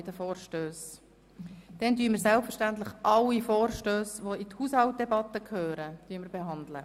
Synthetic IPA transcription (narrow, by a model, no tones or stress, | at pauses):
dəfoːɾʃtøːs | d̥ɛndyːmɪːɾsɛlpfəɾʃtæntləχʔɑlːifoːɾʃtøːsʋoithushɑlt̚dɛbɑt̪ːəkʰhøːɾəd̥yəmɪɾbeɦɑnd̪lə